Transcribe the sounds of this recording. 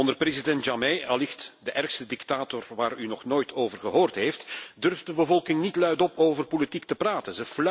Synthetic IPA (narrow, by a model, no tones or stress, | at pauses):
ɔndərprezidɛntʒameɑlɪxtdəʔɛrxstədɪktaːtɔrʋaːrynɔxnoːjtʰoːvərɣəɦoːrtɦejftdɵrft̚dəbəvɔlˠkɪŋnitlœɥtɔpoːvərpolitik̚təpraːtənzəfl